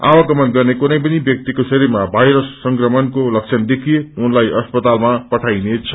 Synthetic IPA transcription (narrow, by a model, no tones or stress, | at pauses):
a̰wʌɡʌmʌnɡʌrnekunʌjp̬ʌnibjʌk̚t̪ikosʌɾimabʱajɾʌsːʌŋkrʌmʌnkolʌk̚t͡sʰʌnd̪ekʰijeunlajʌspʌt̪almapʌʈʰajnet͡sʰʌ̥